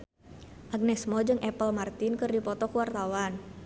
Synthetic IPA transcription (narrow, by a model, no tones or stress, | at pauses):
ʔaɡ̚nɛsmɔd͡ʒɨŋʔɛpəlmart̪inkɨrdipɔt̪ɔkuwart̪awan